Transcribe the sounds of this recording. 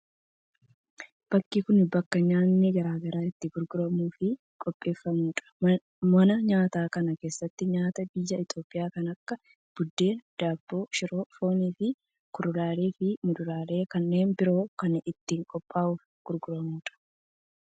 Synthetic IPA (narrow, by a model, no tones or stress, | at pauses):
b̥ɐkːikʊnɪbɐkːɐɲaːnːɪɡɐɾaːɡɐɾaːɪt̪ːɪɡʊɾɡʊɾɐmuːfɪ | kʼɔpʼːe̞ːfːɐmuːᶑɐ̥ | mɐnɐɲaːt̪aːkɐnɐke̞ːsːɐt̪ːɪɲaːt̪ɐbɪjːɐɪt̪o̞ːpʼɪjaːkɐnɐkːɐ | b̥ʊd̪ːe̞ːd̪̥aːb̥ːo̞ːʃɪɾo̞ːfo̞ːniːfɪ | kʊɾʊlaːle̞ːfɪmʊd̪ʊlaːle̞ːkɐnːe̞ːnbɪɾo̞ːkɐnɪt̪ːiːŋkʼɔpʼːaːʔuːf | ɡ̥ʊɾɡʊɾɐmuːᶑɐ̥